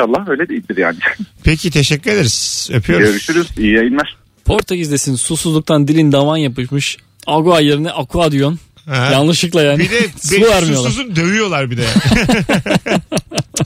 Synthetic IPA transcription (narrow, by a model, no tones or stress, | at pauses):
alˠːahøjlʲɛd̪ejilʲd̪iɾja̰ːnipʰecʰit̪ʰeʃɛcːyɾed̪eɾisepʰyjoɾøɾyʃyɾyzijajinmaʃ | pʰo̞ɾt̪ʰacizd̪ʲe̞sinsusuzlˠuk̚t̪ʰand̪ilʲind̪avanjapɯʃmɯʃ | aɡuajeɾinɛʔakʰuad̪ijon | ɛjanlˠɯʃɯklˠajaːnb̪id̪ɛbbuvæɾmijo̞lˠazud̪øvyjo̞lˠaɾbid̪ɛ